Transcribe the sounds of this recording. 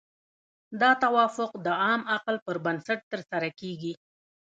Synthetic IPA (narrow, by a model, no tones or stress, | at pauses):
d̪ɑt̪awɑfʊqd̪əɑmaqlpəɾbansaʈ̚t̪əɾsaɾakeɡi